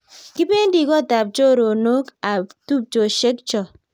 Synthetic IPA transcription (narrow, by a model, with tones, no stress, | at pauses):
ki˦be˦ndi˨kɔ˦˨ta˨p̚t͡ʃo˦˨ɾo˨no˦ka˨tu˦p̚t͡ʃo˨ʃe˦k̚t͡ʃɔ˨